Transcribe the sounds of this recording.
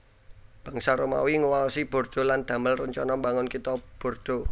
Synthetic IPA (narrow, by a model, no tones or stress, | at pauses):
b̥ä̤ŋsaɾoma̰wiŋuwaɔsib̥o̤rd̪̥o̤land̪̥ä̤məlrəɲt͡ʃɔnɔmbaŋʊnkit̪ɔb̥o̤rd̪̥o̤